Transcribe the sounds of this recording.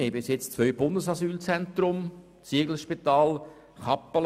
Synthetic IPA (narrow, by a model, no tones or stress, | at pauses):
eːbɪsjɛt͡st͡sʋœʏb̥ʊndəsɑsyːlt͡sɛnt̪ɾʊm | t͡siəɡl̩ʃpit̪ɑːl | χɑpːəl